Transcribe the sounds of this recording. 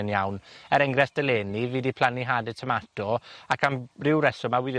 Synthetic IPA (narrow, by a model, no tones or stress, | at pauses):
ənjawnɛɾɛŋɡɾɛsd̥əleːniviːdipʰl̥aniɦaːdɛd̚tʰəmatɔakʰamrɪwɾɛsɔmawɪðɪ